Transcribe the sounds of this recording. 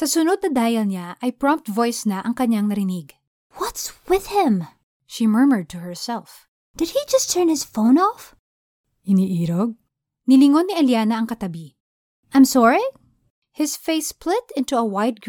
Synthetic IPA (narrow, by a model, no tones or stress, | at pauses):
sɐsʊnod̪̚nɐd̪aːjɐlɲaʔɐjpɹɔ̃mp̚t̪̚vojsnɐʔɐŋkɐɲaŋnɐɾɪniɡ | wʌt̪swɪð̥hɪ̃m | ʃimɜɹmə˞d̪̚t̪ʰuhɛɹsɛlf | d̥ɨd̪̚hid͡ʒɐst̪ʰːɜɹnhɪsfõʊ̃nɔf | ʔɪniːʔiːɾoɡ̚ | nɪlɪŋonːiʔɐljaːnɐʔɐŋkɐt̪ɐbi | ʔajmsɔɹi | hɪsfejsplɪt̪ɪ̃nt̪uɐwajt̪̚ɡ